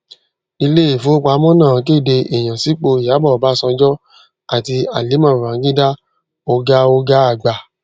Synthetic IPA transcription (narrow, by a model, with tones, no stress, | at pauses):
i˧le˦i˦˨fo˨˦o˦k͡pa˧˦mɔ̃˦nã˦˨˧k̬e˦˨de˧ʔe˨j̃ã˨si˨˦k͡po˧i˨ja˨˦bɔ˦˨ba˨˦sɔ̃˧d͡ʒɔ˦ | a˨ti˧a˨li˨˦mã˦˨u˨ã˨˦ɡĩ˦da˦ | o˧ɡa˦o˦ɡa˦a˦˨ɡ͡ba˨